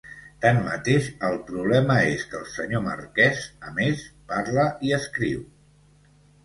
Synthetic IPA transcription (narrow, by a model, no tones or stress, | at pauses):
t̪anmə̰t̪eʃəlˠpɾuβlɛməeskəlˠsəɲomə̰rkɛzəmespaɾləʔiəskɾiw